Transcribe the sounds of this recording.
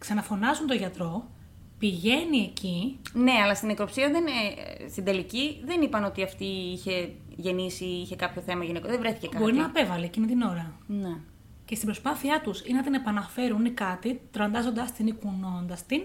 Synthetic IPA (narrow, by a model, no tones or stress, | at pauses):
ksɐnɐfo̞nɐzunt̪o̞ʝɐt̪ɾo̞ | piʝe̞nie̞cine̞ɐlɐst̪inekɾopsiɐðenest̪ind̪e̞liciðe̞nipɐno̞t̪iɐft̪iiçe̞ | ʝe̞nisiiçe̞kɐpço̞θe̞mɐʝinekoðevɾeθi̥cekɐbo̞ɾinɐːpe̞vɐliecimit̪ino̞ɾɐne | cest̪ibɾo̞spɐθiɐt̪usinɐt̪inepɐnɐfe̞ɾunikɐt̪it̪ɾɐnd̪ɐzo̞nd̪ɐst̪inikuno̞nd̪ɐst̪in